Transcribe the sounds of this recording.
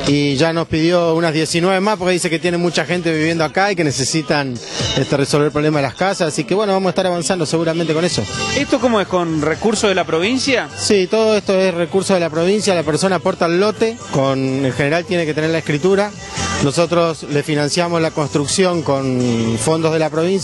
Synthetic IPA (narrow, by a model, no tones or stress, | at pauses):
iʒano̞spið̞jounaðje̞sinwe̞βe̞maspoɾkeðis̬eket̪jenemut͡ʃaxe̞nt̪e̞βiβje̞nd̪oakaike̞nese̞sit̪anest̪eresolβeɾlpɾole̞maðelahkasasasike̞βwe̞noβamosaet̪aɾaβ̞ansand̪o̞se̞ɣuɾamẽnt̪eko̞neso̞est̪okomoeskonrekuɾsoðelapɾoβ̞insjasit̪o̞ð̞oest̪oesrekuɾsoðelapɾo̞β̞ins̬jalapeɾso̞naːpo̞ɾt̪aelːo̞t̪e̞koneŋxene̞ɾalt̪je̞neket̪eneɾlaehkɾit̪uɾa | no̞so̞t̪ɾosle̞finãnsjamoslako̞nst̪ɾuksjo̞ŋko̞nfo̞nd̪ozðelapɾo̞βins